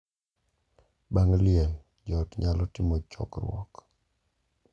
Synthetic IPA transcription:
baŋlɪjɛl | d͡ʒɔtɲalɔtɪmɔt͡ʃɔ̰kɾwɔ̰k

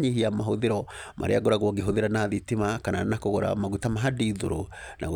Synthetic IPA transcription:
ɲihiamaɦoðeɾɔmʔa̰ɾḛaɣoɾaɣwɔɡeɦoðeɾanaðitemakananakoɣoɾa̰maɣutamaɦadiðo̰ɾo̰ | na̰ɣ

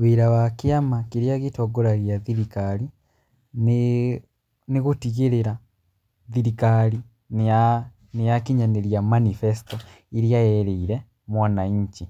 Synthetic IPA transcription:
wiɾawakiamakiɾjaɣitoɡoɾaɣjaðiɾikali | n | niɣutiɣeɾeɾa | ðiɾikali | na | nejakiɲaneɾjamanifesto | iɾijajeɾeiɾe | mwanaiɲt͡ʃi

